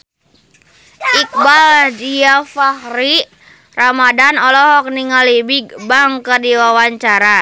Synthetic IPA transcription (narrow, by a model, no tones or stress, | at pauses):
ik̚baldiafahri | ramadanɔlɔɦɔk̚niŋalibiɡ̚baŋkərdiwawaɲt͡ʃaɾa